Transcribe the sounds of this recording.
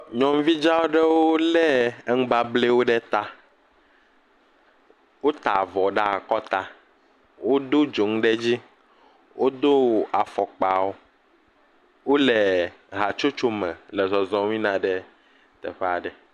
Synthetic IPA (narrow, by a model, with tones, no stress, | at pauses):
ɲɔ̃˨m˦vi˦d͡ʒa˦wo˦ɖɛ˦wo˦lɛ˦ŋ̩˦ba˦ble˦wo˦ɖɛ˦t̪a˦ | wo˦t̪a˨vɔ˨ɖa˦˨kɔ˦t̪a˦ | wo˦d̪o˦d͡ʒo˨ŋ˦ɖɛ˦d͡ʑi˦ | wʔo˦d̪o˦a˨fɔ˨k͡pa˨wo˦ | wo˦lɛ˨ | ɦa˨t͡ʃo˦t͡ʃo˦mɛ̃˨lɛ˨zɔ˨zɔ̃˨ŋ˦ĩ˦nã˨ɖɛ˦ | t̪ɛ̰˨ɸɛ˦a˨ɖɛ˨